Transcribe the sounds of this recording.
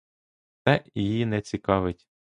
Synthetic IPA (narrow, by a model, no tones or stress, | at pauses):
t̪sɛjjinɛt͡sʲikɑʋɪtʲ